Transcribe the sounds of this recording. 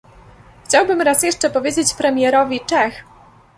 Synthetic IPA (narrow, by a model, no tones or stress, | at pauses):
xt͡ɕawbɘmɾasjɛʂt͡ʂɛpɔvʲjed͡ʑet͡ɕpɾɛmʲjɛɾɔvʲit͡ʂɛx